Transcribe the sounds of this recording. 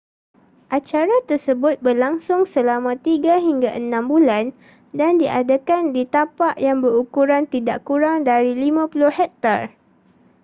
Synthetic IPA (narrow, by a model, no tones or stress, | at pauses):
ʔat͡ʃaɾat̪ərsəbʊt̪̚bərlaŋsʊŋsəlamãt̪iɡaɦiŋɡaʔənãmbulan | dandiʔa̰dakandit̪apaʔjaŋbəɾukuɾant̪idaʔkuɾaŋdaɾilimãpulʊhhɛk̚t̪ar